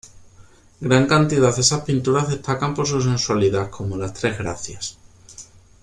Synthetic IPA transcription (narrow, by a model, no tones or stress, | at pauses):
ɡɾaŋkant̪iðaðe̞saspint̪uɾazðe̞st̪akampo̞ɾsus̬e̞nswaliðakʰo̞molast̪ɾe̞zɣɾa̰θjas